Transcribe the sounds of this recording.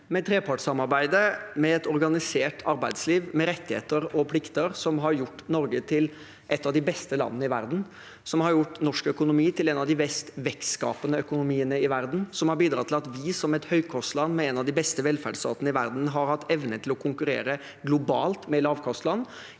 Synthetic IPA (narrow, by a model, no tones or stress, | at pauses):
mɛt̪ʰɾeːpʰɑʈsɑmɑɾbæɪd̪əmɛɛt̪ɔɾɡɑnɪseːʈʰɑɾbæɪd̪sliːʋmɛɾɛt̪ːɪhḛːt̪əɾɔpʰlɪkt̪əɾsɔmɦɑɾjʊʈːnɔɾɡət̪ʰɪl | ʔɛt̪ːɑʋd̪ɪbɛst̪əlɑ̰nənəɪʋæ̰ɾd̪n̩ | sɔmhɑɾjʊʈːnɔʂkœkʊnʊmiːt̪ʰɪlɛːnɑʋd̪ɪbɛst̪ʋɛkskɑ̰ːpənəœkʊnʊmiːənəɪʋæɾd̪n̩sɔmhɑɾbiːd̪ɾɑːt̪ɪlɑt̪ʋɪsɔmɛt̪hœʏkʰɔst̪lɑnːmɛɛnɑʋd̪ɪbɛst̪əʋɛlfæɖst̪ɑ̰ːt̪ənəɪʋæ̰ɾd̪n̩ɦɑɾhɑt̪ːɛʋnət̪ʰɪlɔkʰʊŋkʉɾḛːɾə | ɡlʊbɑ̰ːlt̪mɛlɑːʋkʰɔst̪lɑnː